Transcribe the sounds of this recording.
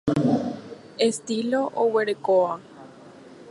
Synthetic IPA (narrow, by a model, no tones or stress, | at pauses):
est̪ilo̞ʔoweɾekoa